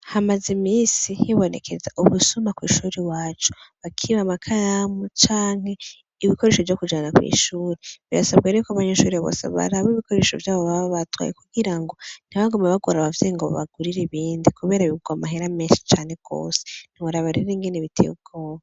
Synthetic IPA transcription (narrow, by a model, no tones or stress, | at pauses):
hamazimiːsijiβo̞nekʰe̞zaʔuβusumakwḭːʃuːɾewaːt͡ʃu̥βakʰiβamakʰaɾamut͡ʃaːŋ̥he̞ | iβikʰo̞ɾe̞ːʃo̞vjokud͡ʒanakwḭːʃuːɾeβḭasaβɡeɾekaβaɲeʃuːɾeββo̰sa̰βa̰ɾaβoiβiko̞ɾe̞ʃo̞̰vjaːβoβaββatwa̰ːjekuɡiɾaŋɡo̞n̥iβaɡomaβaɡwoɾaβavjeŋɡoβ̰βa̰ɡuɾiɾeβiːndikuβe̞ːɾaβiuɡwamaɦeɾameːnʃi̥t͡ʃaːne̞ɡ̥o̰ːse̥n̥iaɾaβaɾiɾeiŋɡeneβitʰḛub̚ɡoːβa